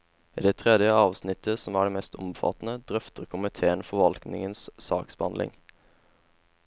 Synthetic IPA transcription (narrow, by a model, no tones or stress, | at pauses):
iːd̪et̪ʰʁɛd̪jəɑːʋsnɪt̪ʰəsɔmæːɖeːmɛst̪ʊ̰mfɑ̰t̪n̩əd̪ʁœft̪əʁkʰʊmɪt̪ʰeːənfɔʋɑlknɪ̰ŋənssɑːksbəhɑnlʔɪ̰ŋ